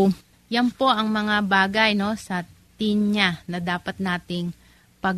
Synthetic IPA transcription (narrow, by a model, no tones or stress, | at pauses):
jɐnpo̞ʔɐŋmɐŋabaːɡɐjno̞sɐ | t̪ɪnɲanɐd̪aːpɐt̪̚naːt̪ɪŋ | pɐ